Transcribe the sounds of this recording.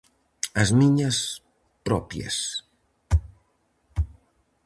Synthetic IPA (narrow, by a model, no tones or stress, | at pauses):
azmiɲas | pɾɔ̰pja̰s